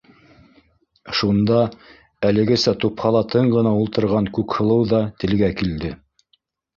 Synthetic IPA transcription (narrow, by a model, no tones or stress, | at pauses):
ʃund̪ɑ | ælɘ̆ɡɘsæt̪uphɑlˠɑt̪ɤɴɢɤ̆nɑulˠt̪ɤ̆ɾʁɑŋkʉkhɤ̆lˠɤwðɑt̪ɘ̆lɡækild̪ɘ